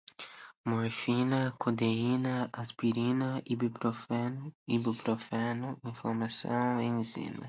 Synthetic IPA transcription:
moɾfinɐkʰod̪einɐaspiɾinɐibepɾofenibepɾofɛnʊĩfoɾmasɐ̰̃w̃ẽj̃zḭnɐ̰

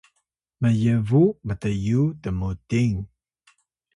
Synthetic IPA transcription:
məjəvumət̪əjutəmutiŋ

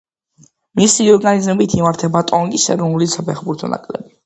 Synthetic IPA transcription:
misiɔɾɡanizmɛbit̪ʰimaɾt̪ʰɛbat̪ʼɔŋɡʼisɛɾɔnulisapʰɛχbuɾt̪ʰɔnʔa̰kʼlɛ̰bi

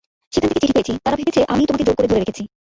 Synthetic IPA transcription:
ʃekʰant̪ʰeket͡ɕiʈʰipet͡ɕʰit̪aɾabʱebet͡ɕʰeʔa̰mit̪omaked͡ʑoɾkoɾed͡ʑoɾeɾekʰet͡ɕʰi

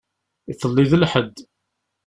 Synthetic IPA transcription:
iθəlːiðəlħəd̪ː

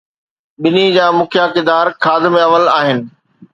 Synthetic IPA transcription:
ɓɪnid͡ʑaːmʊkʰjakɪd̪aːɾkʰaːd̪ɪ̆meɐʋəlaːɦɪnɪ̆

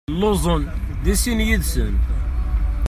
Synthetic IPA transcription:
lːozˤənd̪æsinjəd̪sən

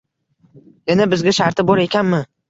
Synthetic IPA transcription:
janabɪzɡʲaʃaɾt̪ʰɪbɒɾe̞kʲanmɪ

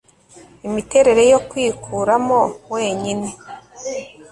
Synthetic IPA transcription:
imite̞ɾe̞ɾe̞jokwiːkʰuːɾamo̞weːɲine

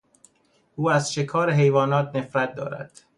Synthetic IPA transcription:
ʔuːæzʃe̞kʰɒːɾeɦe̞jvɒːnɒːt̪̚ʰne̞fɾæt̪̚d̪ɒ̰ːɾæ̰d̪̥

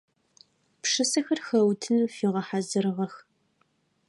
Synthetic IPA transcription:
pʂɨsɐxɐrxɐwtʰɨnfiːʁɐħazɨrɨʁɐx

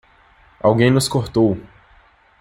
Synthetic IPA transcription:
a̰wɡẽj̃nʊskoɾt̪ow

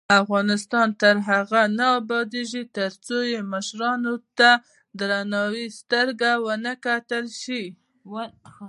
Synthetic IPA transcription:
afɣɑnɪst̪ɑnt̪əɾɦaɣanaabɑd̪eʒit̪əɾt͡sojeməʃɾɑnot̪a | d̪ɾanɑwist̪əɾɡawənəkat̪əlʃi

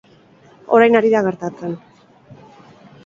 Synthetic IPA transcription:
o̞̰ɾajnaɾiðaɣ̞e̞ɾt̪at͡se̞n

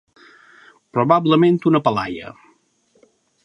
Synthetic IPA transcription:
pɾoβabləmẽnt̪unəpəlajə̰

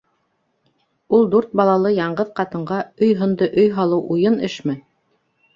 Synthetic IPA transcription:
ulˠd̪uɾt̪̚bɑlˠɑlˠɤjɑɴɢɤðqɑt̪ɤ̆ɴɢɑɵjɦŏnd̪ɤʔɵjɦɑlˠɤwʔujɤnɘʃmɘ

